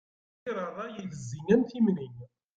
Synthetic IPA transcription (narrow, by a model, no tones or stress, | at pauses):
ɾˤəðˤɑjələzːinænθimnin